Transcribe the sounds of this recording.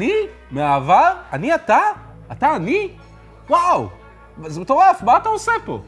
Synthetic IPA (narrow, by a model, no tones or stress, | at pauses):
ni | meavaʁaniata | ataːni | waw | zebetoʁafmaːtaosepo̞̰